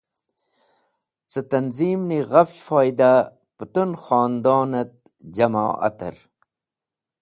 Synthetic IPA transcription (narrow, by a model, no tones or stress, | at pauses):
t͡sət̪ɐnziːmniɣɐffoːjd̪a | pət̪unxɑːnd̪oːnɐt̪̚ | d͡ʑɐma̰ːʔɐ̰t̪ɐ̰ɾ